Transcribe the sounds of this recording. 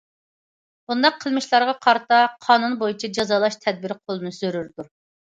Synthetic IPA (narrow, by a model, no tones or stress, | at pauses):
b̥und̪ɑqʰːəlˠmɪʃlˠɑɾʁɑqʰɑɾt̪ɑqʰɑːnunbojit͡ʃʰɛd͡ʒɑzɑlˠɑʃt̪ʰɛd̪̚bɪɾqʰolˠɨnɨsøɾyɾd̪u